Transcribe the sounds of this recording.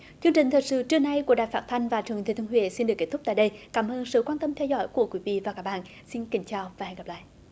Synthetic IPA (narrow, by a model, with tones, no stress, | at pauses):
t͡ɕɨ˧əŋt͡ɕï˨˩ŋ̟t̪ʰəː˨˩j̚sɨ̰˧˥t͡ɕɨ˦˧əna˧jku˧˩əɗa̰ː˧˨jfaː˦˥t̚t̪ʰa˧jŋ̟vaː˨˩t͡ɕɨ˨˩əŋt̪ʰi˨˩t̪ʰhwḭ˧˨si˧nɗɨ˨˩əkːe˦˥t̪ʊ˦˥k͡p̚t̪a̰ː˧˨ɗə˧jkaː˨˦mʔəː˧nsɨ̰˧˨kwaː˧nt̪ə˧mt̪ʰɛ˧wzɔ̰˧˥˦jku˧˩əkwi˨˦vḭ˧˨vaː˨˩kaː˦˥k̚ɓa̰ː˧˨n | si˧nkï˨˦ŋ̟t͡ɕaː˨˧˩wvaː˨˩hjɣa˨˩pla̰ː˧˨